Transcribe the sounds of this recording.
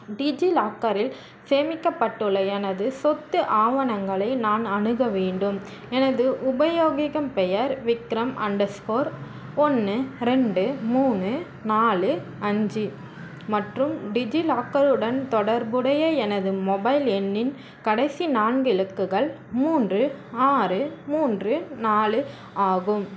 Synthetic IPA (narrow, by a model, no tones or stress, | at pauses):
ɖɪd͡ʒilaːkɐɾɪl | seːmɪkːɐpːɐʈːɯɭːɐɛnɐðɯsɔt̪ːɯʔaːʋɐnɐŋɡɐɭɐɪnaːnɐnɯɣɐʋeːɳɖɯm | ɛnɐðɯʔʊbɐjoːɣɪɣɐmpɛjɐɾʋɪkɾɐmʔɐ̰ɳɖɐskoːɾ | ɔnːɯɾɛɳɖɯmuːnɯ | naːɭɯ | ɐɲd͡ʒi | mɐʈrɯmɖɪd͡ʒilaːkːɐɾɯɽɐnt̪ɔɽɐɾbɯɽɐjɐɛnɐðɯmɔbɐɪlɛnːɪn | kɐɽɐɪsinaːɳɡɪɻɯkːɯɣɐɭ | muːndrɯaːɾɯmuːndrɯnaːlɯ | aːɣɯm